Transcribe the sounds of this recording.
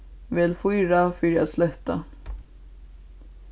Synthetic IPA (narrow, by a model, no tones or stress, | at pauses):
vɛːlfʏɾafʏɾja̰slɛt̪ːa̰